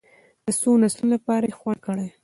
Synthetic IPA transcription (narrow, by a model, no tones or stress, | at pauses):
d̪̥əsonaslunlapɑɾajexwan̚kəɽaj